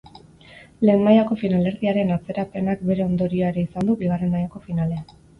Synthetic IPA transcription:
le̞ːnmajako̞finale̞ɾðiaɾe̞nat͡se̞ɾape̞nak̚be̞ɾe̞o̞nd̪o̞ɾio̞ae̞ɾe̞isand̪ubiɣ̞are̞nmajako̞finale̞an

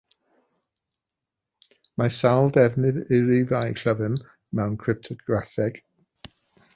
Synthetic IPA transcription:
masalˠdɛvnɨɾɪɾivajkʰəvɨn | mɛwnkʰrɨp̚tʰɔɡɾafɛɡ̥

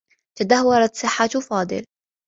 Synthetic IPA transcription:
t̪ad̪ahwːɑɾˤɑt̪sˤɨħːat̪fɑːd̪ˤɨ̰l

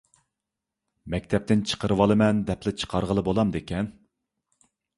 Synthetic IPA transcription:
mɛk̚ʲt̪ʰɛp̚t̪ɪnt͡ʃʰə̥qʰəɾɨwɑlˠɨmɛnd̪ɛplɪt͡ʃʰə̥qʰɑɾʁəlˠɨbolˠɑmd̪ekʲɛn

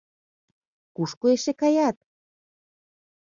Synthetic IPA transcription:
kuʃkoeʃekɑjɑt̪̚

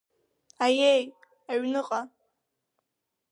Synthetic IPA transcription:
ajej | aɥnɨqʼa

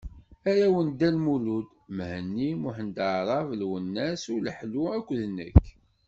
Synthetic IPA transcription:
æɾæwənd̪ænmulud̪ | mhənːimʊħənd̪əʕɾˤɑvlwənːæsʊləħluækʷːðənːə̰kː

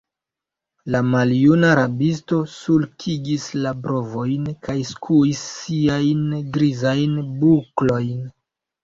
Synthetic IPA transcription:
lamaljunaːɾabisto̞sulkʰiɡislabɾo̞vo̞jnkajskʰuisːiajnɡɾizajnbuklo̞jn

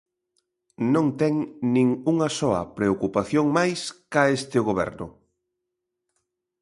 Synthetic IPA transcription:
nõŋt̪ɛŋnĩŋuŋɐsɔɐ̰pɾeokupaθjoŋmajskaest̪ɪʊɣoβɛ̰ɾnʊ̰

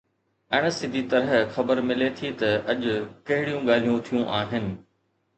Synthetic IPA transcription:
ɐːɽ̃əsɪd̪ʱit̪ɐɾəɦxɐbəɾmɪlet̪ʰit̪ɐɐʄʊkɐɦɪɽijũɡaːl̤ijũt̪ʰijũʔaːɦɪnɪ̆

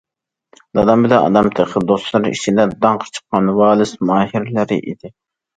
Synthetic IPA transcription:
d̪ɑd̪ɑmbɪd̪ɛɑ̰d̪ɑmt̪ʰeqʰəd̪oslˠɨɾḭt͡ʃʰid̪ɛd̪ɑŋqʰəɾt͡ʃʰə̥qːɑnwɑːlˠɨsmɑːɦiɾlɪɾɪ̰ʔḭd̪̥ɪ

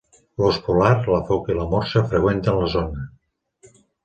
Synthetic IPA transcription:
loskulaɾləfokiləmoɾsəfɾəɣwent̪ənləzonə

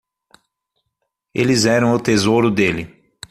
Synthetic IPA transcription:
ḛlɪzɛɾɐ̃w̃ʊt̪ezoɾʊd̪elɪ

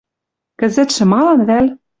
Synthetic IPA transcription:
kɘ̆zɘ̆t̪ʃɘ̆mɑlɤnβælʲ

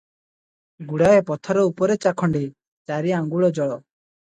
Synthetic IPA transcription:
ɡuɽaepɔt̪ʰɔɾɔupɔɾet͡ʃakʰɔɳɖi | t͡ʃaɾiaŋɡuɭɔd͡ʒɔɭɔ

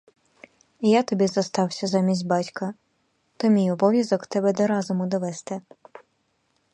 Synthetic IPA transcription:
ijat̪ɔbʲizɐst̪ɑwsʲɐzɑmʲisʲtʲbɑtʲkɐ | t̪ɔmʲijɔbɔʋʲjɐzɔkt̪ɛbɛd̪ɔɾɑzɔmʊd̪ɔʋɛst̪ɛ

